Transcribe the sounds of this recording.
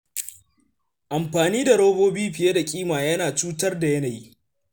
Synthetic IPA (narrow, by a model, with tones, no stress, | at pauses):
ʔa˨mɸaː˨niː˦da˨ɽoː˦boː˦biː˦ɸɪ˨je˦da˨kʲʼiː˦maː˨jɐ˦naː˨t͡ʃuː˦tɐ˦rda˨jɐ˦naː˨ji˦